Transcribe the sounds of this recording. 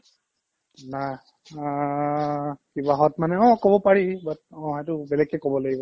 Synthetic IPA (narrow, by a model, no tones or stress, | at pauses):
na | kibaɦɔtmanɛɔ̃kɔbɔpaɹibat̚ɔ̃ɦetʊbɛlɛkːɛkɔbɔlaɡibɔ